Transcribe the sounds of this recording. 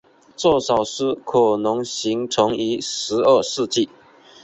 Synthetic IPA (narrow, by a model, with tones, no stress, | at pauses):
t͡swɔ˥˩ʂɑ˨˩ʊʂɻ̩˥˩kʰɔ˨˩nʊ˧˥ŋɕi˧˥ŋt͡sʰʊ˧˥ŋi˧˥ʂɻ̩˧˥ə˥˧ʂɻ̩˥˧t͡ɕi˥˩